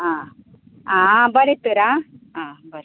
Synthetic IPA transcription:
a | abɐɾit̪ɯɾaabɐɾ

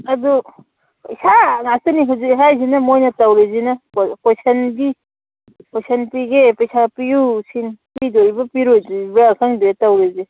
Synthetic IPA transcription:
ɐd̪u | pɐjsaŋastɯniɦawziɦajzinɐmojnɐtawɾezinɐpɔsɐndi | pɔjsɐnpiɡepejsʰapijusʰinpidoɾibɐpiɾojdibɾakʰaŋdetawɾeze

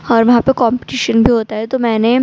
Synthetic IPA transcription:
ɔːɾʋɐɦãpekɔ̃ːmpɪ̥ʈiːʃənbʱiɦoːt̪aɦɛt̪omɛ̃ːne

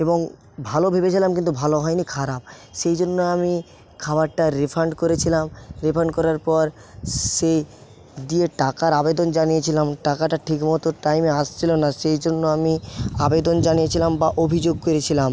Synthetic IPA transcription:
eboŋ | bʱalobʱebet͡ɕʰilamkint̪ubʱaloɦɔjnikʰaɾab̚ | ʃejd͡ʑonːoami | kʰabaɾʈaɾipʰaɳɖkoɾet͡ɕʰilamɾepʰaɳɖkɔɾaɾpɔɾ | ʃej | d̪ieʈakaɾabed̪ond͡ʑanijet͡ɕʰilamʈakaʈaʈʰikmɔt̪oʈajmeaʃt͡ɕʰilonaʃejd͡ʑonːoamiabed̪ond͡ʑanijet͡ɕʰilambaʔobʱid͡ʑoɡ̚koɾet͡ɕʰilam

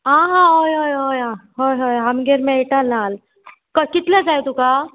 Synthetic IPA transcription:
ɦãːɦãːɦojɦoːjɦoːjãːɦojɦoːjɦɐmɡeɾmẽeʈalnaːl | kɐkɪt̪lad͡ʒaːjt̪ukaː

